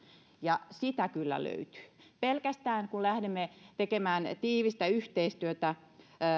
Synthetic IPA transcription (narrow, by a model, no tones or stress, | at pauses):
jɑsit̪ækylːæ̰lø̰yt̪y̥pelkæst̪æːnkullæhdemːet̪ekemæːnt̪iːʋist̪æyht̪eist̪yøt̪æ